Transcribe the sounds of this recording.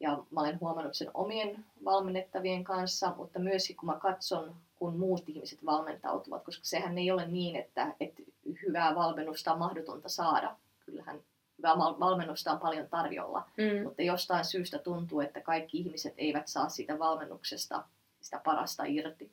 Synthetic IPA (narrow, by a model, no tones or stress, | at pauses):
jɑmɑolenhuɑmɑnːut̪seno̰mienʋɑlmenːet̪ːɑʋieŋkɑnsːɑmʔṵt̪ːɑmyøskikkumɑkɑt̪sonkunmuːt̪ihmiset̪ʋɑlment̪ɑ̰ut̪uʋɑ̰t̪koskɑ̥sehænːeiolenniːnet̪ːæet̪hyʋæːʋɑlmenːust̪ɑommɑhdot̪ont̪ɑsɑːdɑ̰ | kylːhæ̰n | hyʋæːmɑʋɑlmenːust̪ɑːmpɑljont̪ɑrjo̰lːɑ̰mut̪ːɑjost̪ɑinsyːst̪æt̪unt̪uːet̪ːækɑikːiihmiset̪eiʋæt̪sɑ̰ːssiːt̪æʋɑlmenːuksest̪ɑ̰ | si̥t̪æpɑrɑ̰st̪ɑ̰irt̪i